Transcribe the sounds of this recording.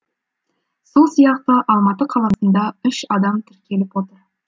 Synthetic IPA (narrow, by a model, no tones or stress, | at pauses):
solˠsijɑq̚t̪əʔɑlˠmɑt̪əqʰɑlˠɑsənd̪ɑʏʃɑd̪ɑmt̪ʰɪɾkʲʰe̞lɪpwo̞t̪əɾ